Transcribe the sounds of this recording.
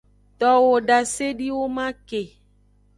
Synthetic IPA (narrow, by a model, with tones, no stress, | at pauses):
t̪ɔ˨wo˨ɖa˨se˦ɖi˦wo˦mã˦ke˨